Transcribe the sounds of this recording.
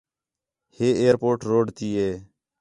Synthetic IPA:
heːeːɾpoːʈɾoːɖt̪iːeː

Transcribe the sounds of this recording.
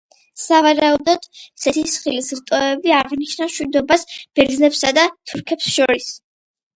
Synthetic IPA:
savaɾaud̪ɔd̪̥sɛt̪ʰisχilisɾt̪ʼɔɛbiaʁniʃnaʃwid̪ɔbasb̥ɛɾd̪znɛpsad̪at̪ʰuɾkʰɛpsʃɔɾis

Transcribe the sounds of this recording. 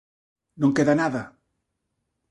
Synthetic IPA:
nõŋkeðanaða

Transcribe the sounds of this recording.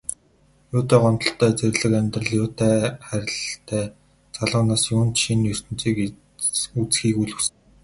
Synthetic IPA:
jʊːt̪æːɢɔnt̪ɞ̥̆ɬt̪ʰæːt͡serʲɮɘ̆kæmʲt̪rə̆ɮjʊːt̪ʰæːχæɾʲɪ̆ɮt̪ʰæː | t͡saɮʊːnaːsjuːnt̪ʃinɵr̥t̪ɘ̆nt͡siːk | ut͡sxiːkuɮɵ̆ws

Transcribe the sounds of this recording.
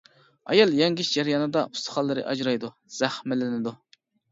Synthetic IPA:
ɑ̰jɑlˠjɛŋɡʲiʃd͡ʒɛɾjɑːnɨd̪ɑʔust̪ʰɨ̥χɑlˠːɨɾɨ̰ʔɑd͡ʒɾɑjd̪u | z̥æχmɪlɪnɪd̪u

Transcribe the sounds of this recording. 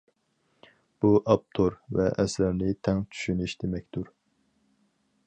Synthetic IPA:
b̥uʔɑp̚t̪ʰoɾvɛ̰ʔɛsɛɾnɪt̪ʰɛŋt͡ʃʰy̥ʃyniʃd̪emɛk̚ʲt̪uɾ

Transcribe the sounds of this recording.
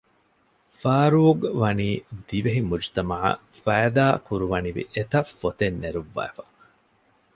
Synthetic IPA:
faːɾuːɡʋɐniːd̪iʋeɦimud͡ʒt̪ɐmaʕɐ̰ | fæːd̪aːkuɾuʋɐniʋḭʔet̪ɐfːot̪enːeɾuʋːæ̰ːfɐ

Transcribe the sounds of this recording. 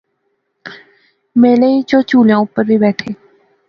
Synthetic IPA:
meːleːit͡ʃoːt͡ʃuːljãːʊpːəɾbibɛːʈʰeː

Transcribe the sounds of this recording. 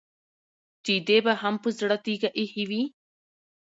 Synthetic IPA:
t̪id̪ebaɦampɨzɽat̪iɡaʔihiwi

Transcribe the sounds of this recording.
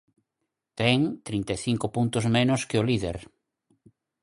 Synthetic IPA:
t̪ɛŋt̪ɾint̪eθiŋkʊpunt̪ʊzmẽnʊskɪoliðeɾ

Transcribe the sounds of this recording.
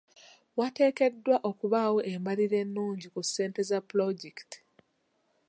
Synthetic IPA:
wate̞ːke̞dːwaʔo̞kuβawo̞ʔembaliɾe̞nːuːɲɟikusːe̞ːnte̞zapuloɟekti̥

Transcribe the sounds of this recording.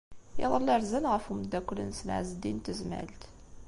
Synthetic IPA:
ɪ̰ðˤəlːəɾzənʁəfumd̪ːækʷːlənsna̰ʕzəd̪int̪əzmæ̰lt̪

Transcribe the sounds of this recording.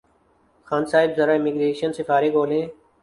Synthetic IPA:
xaːnsaːɪbzəɾãːɪmɪɡɾeːʃənsɪfaːɾeːɡʱoːlẽː

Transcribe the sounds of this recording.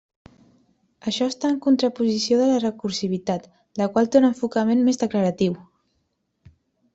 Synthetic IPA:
əʃɔst̪aəŋkunt̪ɾəpuzisioðələrəkuɾsiβ̞it̪at̪ | ləkwalˠt̪onəɱfukəmenmezðəkləɾət̪iw

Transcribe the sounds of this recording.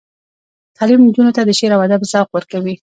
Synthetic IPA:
t̪ʰɑlimnd͡ʒunot̪ad̪əʃeɾawad̪abzɑqwəɾkawi

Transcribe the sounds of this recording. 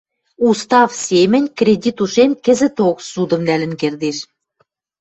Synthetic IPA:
ust̪ɑfsʲemɘ̆nʲkrʲedʲit̪uʃemkɘ̆zɘ̆t̪oksud̪ɤ̆mnælɘ̆nkerd̪eʃ

